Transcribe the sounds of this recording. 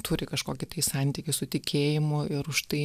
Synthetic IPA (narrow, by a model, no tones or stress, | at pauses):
t̪ʰuːɾʲɪkɐʃkoːkʲɪt̪ɐɪsɑˑnʲt̪ʲɪkʲɪsʊt̪ʲɪkʲʰeːjɪmʊɪɾʊʃt̪ɐɪ